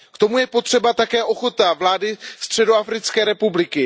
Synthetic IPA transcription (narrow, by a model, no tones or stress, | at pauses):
kt̪o̞mujɛpo̞t̪r̝̥ɛbat̪akɛːʔo̞xo̞t̪avlaːdɪst̪r̝̥ɛdo̞afɾɪt͡skɛːɾɛpublɪkɪ